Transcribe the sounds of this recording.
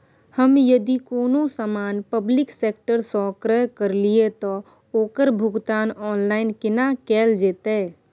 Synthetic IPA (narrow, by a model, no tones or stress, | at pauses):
həmjəd̪ikoːnõsmaːnpəblɪkseːk̚ʈəɾsɔːkɾəjkəɾliet̪ɔ | oːkəɾbʱʊɡt̪aːnɔːnlaːɪnkɪnakɛːld͡ʒeːt̪eː